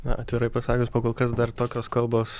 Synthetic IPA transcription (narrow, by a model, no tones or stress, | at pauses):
nɐ̰ʔɐt̪ʲʋʲɪɾɐɪpɐsɑːkʲʊsʲpoːkoːlˠkɐsd̪ɐrt̪oːkʲoːskɐlˠboːs